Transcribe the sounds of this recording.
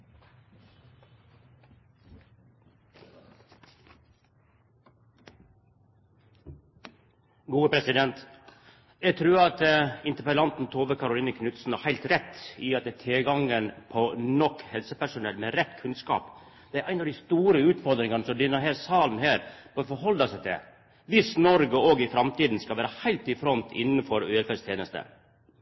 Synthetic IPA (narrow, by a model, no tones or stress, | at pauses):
ɡuːəpʰɾɛsɪd̪ɛnt̪ | jɛɡt̪ʰɾʉːɾɑt̪əɪnt̪əpəlɑnt̪n̩t̪ʰoːʋəkʰɑɾʊliːnəkʰnʉt̪sn̩æhæɪlt̪ɾɛt̪ːɪɑt̪ɛt̪ʰeːɡɑŋənpʰɔnɔkːhɛlsəpæʂʊnɛ̰lmeɾɛt̪kʰʉnskɑ̰ːp | d̪ɛæɾʔæɪnɑd̪ɪst̪uːɾəʉːt̪fɔɾd̪ɾɪŋɑnəsɔmd̪ʏnːəɾɦeːlsɑːln̩heːɾb̥øːfɔɾhɔld̪ɑsæɪt̪ʰɪ̰ | ʋɪsnɔɾɡəoːɡɪfɾɑmt̪iːd̪n̩skɑʋæːɾəhæɪlt̪ɪfɾɔnt̪ʰɪ̰nn̩fɔɾøːɛlfɛst̪ʰjeːnəst̪ə̰